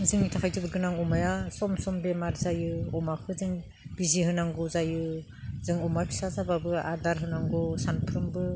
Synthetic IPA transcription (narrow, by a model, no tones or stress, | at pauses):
zɯŋitʰakʰajtʰɯbɯɾɡɯnaŋɔmajasɔmsɔmbemaɾzajɯɔmakʰɯzɯŋ | b̥iziɦɯnaŋɡɔzajɯ | zɯŋɔmapʰi̥sazababɯa̰daɾɦɯnaŋɡɔsanpʰɾɯmbɯ